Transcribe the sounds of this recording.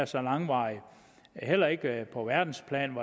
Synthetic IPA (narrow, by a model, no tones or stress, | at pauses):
ɐsɒ̽lɑ̈ŋʋɑ̈ɪə | hel̰ɐe̝ɡ̥əpʰɒ̽ʋæɐd̥n̩spʰlɛ̰ːnʋɑ